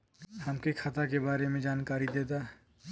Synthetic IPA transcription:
hɐmkekʰɐt̪akebaːɾemẽd͡ʒaːnkaːɾid̪eːt̪a

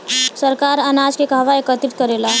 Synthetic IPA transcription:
səɾkaːɾanaːd͡ʒkekaːʋaekət̪ɾɪt̪̚kəɾeːlaː

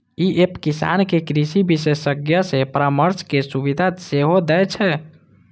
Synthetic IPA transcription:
iʔepkisa̰nkekɾisibisesəɡjəsepɾəməɾskesuβid̪ʱaseɦod̪ɛt͡ʃʰɛ

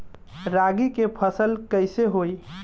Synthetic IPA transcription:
ɾaɡikepʰəsəlkəjseɦoj

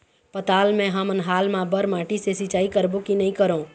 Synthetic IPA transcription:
pət̪aːlmɛ̃ɦəmənɦaːlmãbəɾmãːʈisesɪt͡ʃaːikəɾbõkinɐĩkəɾõː

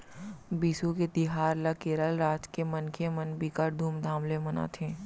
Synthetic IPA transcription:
biːsuked̪ɪɦaːɾlakeːɾəlɾaːd͡ʒkemənkʰemənbikaɾd̪ʱuːmd̪ʱãːmlemɐna̰t̪ʰẽː

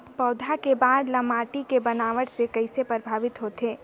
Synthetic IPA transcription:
pɔːd̪ʱakebaːd̪lɐmaːʈikebɐnaːʋəɽsekɐɪsepəɾbʱaːʋɪt̪ɦoːt̪eː

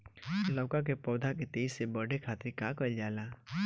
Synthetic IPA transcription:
lɔːkak̬epɔːd̪ʱaket̪eːzsebəɽekʰaːt̪ɾikakəld͡ʒaːlaː

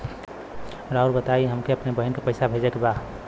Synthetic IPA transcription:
ɾauɾbət̪aiɦəmkeəpnebəɦinkepəɪsabʱed͡ʒəkeba

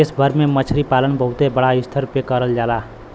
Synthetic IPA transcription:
esbʱəɾmemət͡ʃʰɾipalənbəɦut̪ebəɽaɪst̪ʰəɾpekəɾəld͡ʒala

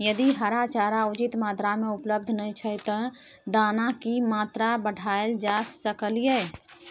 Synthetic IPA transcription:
jəd̪iɦəɾat͡ʃaɾaud͡ʒit̪maːt̪ɾameupləb̚d̪ʱnəjt͡ʃʰəjt̪ə | d̪anakimaːt̪ɾabəɽʱaeld͡ʒasəkəlijɛ

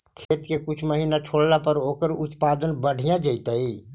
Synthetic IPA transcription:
kʰeːt̪kekʊt͡ʃʰməɦiːnaʈʰoːɽlapəɾoːkəɾʊt̪paːd̪ənbəɽ̤ʱijãd͡ʒəɪt̪ai

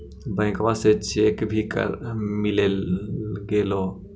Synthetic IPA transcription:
bə̃ɪ̃kʋãset͡ʃeːkbʱikə̰ɾmilelɡelo

